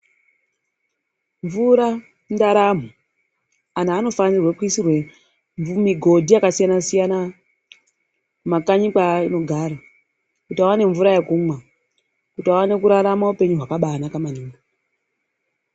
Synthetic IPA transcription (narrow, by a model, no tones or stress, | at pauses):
ɱvuɾa | ndaɾam̤o | anaːno̞fand͡zirwekwisirwe̞ | miɡʱo̞dʱiakasijanasijana | makaɲikaino̞ɡʱaːɾa | kutiawane̞ɱvuɾajekuːmwa | kutiawane̞kuɾaɾamaupe̞ɲuɦwakaɓanakamaniːŋɡa